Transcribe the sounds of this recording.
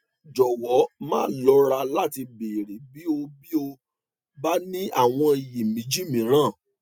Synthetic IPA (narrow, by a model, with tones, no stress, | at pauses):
d͡ʒɔ˨wɔ˨˦mã̰ː˦˨˦lɔ˨˦ɾa˧la˦ti˧be˨ɾi˨˦bi˨˦o˧bi˦o˧ | ba˦nĩ˦a̰˦˨w̃ɔ̃˧i˨ji˨mĩ˨˦d͡ʒi˦mĩ˨˦ɾ̃ã˦˨